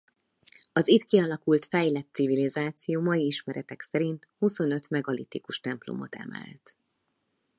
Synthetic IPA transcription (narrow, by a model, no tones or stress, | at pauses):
ɒzit̪kiɒlɒkult̪fɛjlɛt̪ːsivilizaːt̪sijoːmɒjiiʃmɛɾɛt̪ɛksɛɾint̪huso̞nø̞t̪mɛɡɒlḭt̪ikuʃt̪ɛmplo̰mo̞̰t̪ɛ̰mɛ̰lt̪